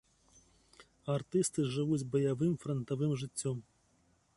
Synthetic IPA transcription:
art̪ɨst̪ɨʐɨvud͡zʲzbɐjavɨmfɾɐnt̪avɨmʐɨt͡sʲːɔm

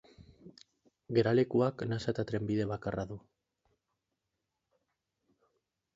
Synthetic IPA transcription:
ɡe̞ɾale̞kuaknasat̪at̪ɾe̞mbiðe̞βakaraðu

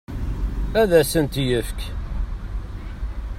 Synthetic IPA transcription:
æðæsənt̪jəfk

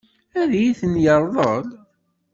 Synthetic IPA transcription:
æðjiθənjəɾˤðˤəl

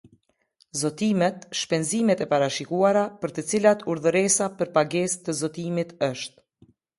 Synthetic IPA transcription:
zɔt̪imɛt̪ʃpɛnzimɛt̪ɛpaɾaʃikuaɾapəɾt̪ət͡silat̪uɾðəɾɛsapəɾpaɡɛst̪əzɔt̪imit̪əʃt̪̚

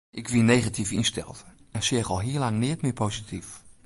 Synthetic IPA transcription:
ʔɪkvineːχatʰiːfiːnʃtʰɛ̰lˠt | ɛʃeːχɔlˠɦiːlˠaŋnɪːtmɪpʰoːzitʰiːf

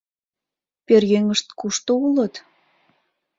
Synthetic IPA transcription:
perjøŋəʃt̪kuʃt̪oulə̆t̪

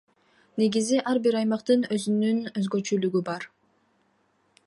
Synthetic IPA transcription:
ne̞ɡiziʔɑɾbiɾɑjmɑqt̪ɯnø̞zynynøzɡøt͡ʃylyɡybɑɾ

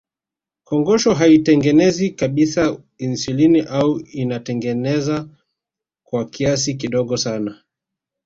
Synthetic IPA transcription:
kɔŋɡɔʃɔɦaitɛŋɡɛnɛzikaɓisa | insiliniʔauinatɛŋɡɛnɛza | kwakias̬ik̬iɗɔɠɔsana

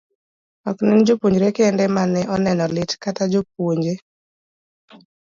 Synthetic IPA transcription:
ɔknɛnd͡ʒopwoɲd͡ʒɾekɛndɛmanɛʔɔnɛnɔlɪtkatad͡ʒop̚woɲd͡ʒe

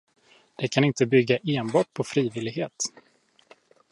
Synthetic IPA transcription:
d̪̥ɛkʰanɪnt̪əbʏɡːaʔeːnbɑːʈ̚pʰɔfɾiːvɪlɪɡɦeːt̪

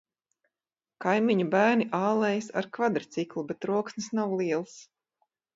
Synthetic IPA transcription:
kajmiɲubæːɾniʔaːlˠɛjsa̰ɾkvad̪ɾt̪siklˠubɛt̪ɾuɔksnɨsnawlˠiɛlˠs

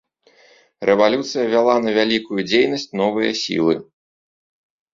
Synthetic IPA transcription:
rʔɛvalʲut̪sɨjɐvʲalˠanɐvʲalʲikujud͡zʲejnɐsʲt͡sʲnɔvɨjɐ̰sʲḭlˠɨ̰

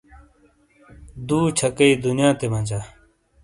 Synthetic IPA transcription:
d̪uːt͡ɕʰɐkɐid̪unjãːt̪emɐ̃nd͡ʑaː

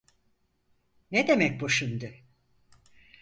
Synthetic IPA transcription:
ned̪emɛc̚boʃund̪ɯ

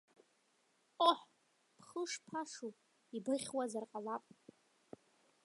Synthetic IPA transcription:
oħ | pʰχəʂpʰaʂu | ibɨχʲwazarqʼalapʼ

